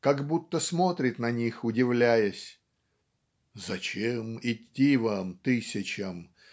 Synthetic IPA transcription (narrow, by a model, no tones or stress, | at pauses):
kaɡbut̪ːəsmot̪ɾʲɪt̪nɐnʲixʊdʲɪvlʲæjəsʲ | zɐt͡ɕemɪtʲːivamt̪ɨsʲɪt͡ɕəm